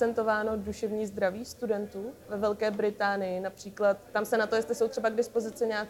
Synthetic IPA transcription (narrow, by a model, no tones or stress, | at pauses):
t͡sɛnt̪o̞vaːno̞duʃɛvɲiːzd̪ɾaviːxst̪udɛnt̪uːvɛvɛlkɛːbɾɪt̪aːnɪjɪnapr̥iːklat̪ːamsɛnat̪o̞jɛst̪lɪso̞wt̪r̥ɛbaɡdɪspo̞zɪt͡sɪɲaːk